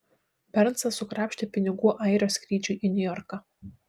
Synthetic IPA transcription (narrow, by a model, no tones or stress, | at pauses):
pʲɛɾnsɐsʊkɾɑːpʲʃʲt̪ʲɪpʲɪnʲɪɡuːʔɐɪɾʲoːsʲkɾʲiːt͡ʃʲʊʔinʲʊjɔɾkɑ